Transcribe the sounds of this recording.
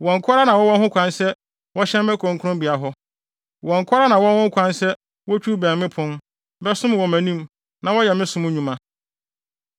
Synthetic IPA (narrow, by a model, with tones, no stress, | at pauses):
wɔ̃˨ŋ˨kʰa˦ɾa˦nã˨wɔ˦wɔ̃˦hʊ̃˦kʷʰã˦nsɛ˦ | wɔ˦ɕɛ̃˦m˦mɛ̃˦kʰɔ̃˨ŋkʰʊ˦ʊ̃˦mbi˨a˨ɦɔ˦ | wɔ̃˨ŋ̩˨kʰʷa˦ɾa˦nã˨wɔ̃˦nhʊ̃˦ŋ˦kʰʷã˦nsɛ˦ | wɔ˦t͡ɕʰᶣu˦bɛ̃˨mmɪ̃˦pʰʊ̃˦n | bɛ˦sʊ̃˦m˨wɔ˨mæ̃˨nĩ˦m | nã˨wɔ˦jɛ˨mɪ̃˦sʊ̃˨m̃˦ɲũ˨mã˨